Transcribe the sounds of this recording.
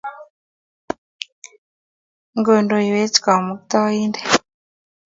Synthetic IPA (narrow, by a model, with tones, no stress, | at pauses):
ŋɡo˨ndo˨i˨we˦t͡ʃi̥˨ka˨mu˨kt̪a˦i˦nde̥˨